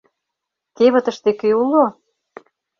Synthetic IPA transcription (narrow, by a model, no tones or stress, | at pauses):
k̪eβə̆t̪ə̆ʃt̪ekeulo